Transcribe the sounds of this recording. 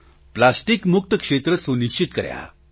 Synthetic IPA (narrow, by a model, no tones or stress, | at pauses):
plasʈikmuk̚t̪əkʂet̪ɾəsuniɕt͡ɕit̪kə̰ɾja̰